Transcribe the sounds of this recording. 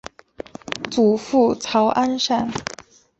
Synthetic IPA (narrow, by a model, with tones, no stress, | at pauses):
t͡su˨˩fu˥˩t͡sʰɑ˧˥ʊʔa˥nʂa˥˩n